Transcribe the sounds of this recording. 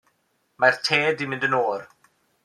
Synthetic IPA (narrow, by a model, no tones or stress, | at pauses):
martʰeːdimɪ̃ndənoːr